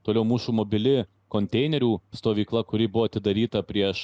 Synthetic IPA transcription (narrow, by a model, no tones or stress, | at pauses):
t̪oːlʲɛʊmuːsuːmoːbʲɪlʲɪ | koːnʲt̪ʲɛɪnʲɛɾʲuːst̪oːʋʲiːklˠɐkʊɾʲɪbʊʋoːɐt̪ʲɪd̪ɐɾʲiːt̪ɐpʲɾʲiɛʃ